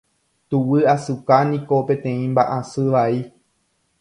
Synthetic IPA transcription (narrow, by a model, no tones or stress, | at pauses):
t̪uwɨasɨkanĩko̞pẽ̞t̪ẽ̞ĩmbaʔãsɨʋai